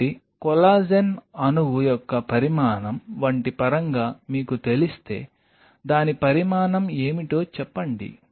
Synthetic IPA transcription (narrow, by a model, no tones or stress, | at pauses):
i | kɔlaːd͡ʒenɐnuʋujɔkːɐpɐɾimaːnɐmʋɐɳʈipɐɾɐŋɡaːmiːkut̪e̞list̪e̞ː | d̪aːnipɐɾimaːnɐmeːmiʈo̞ːt͡ʃɛpːɐɳɖḭ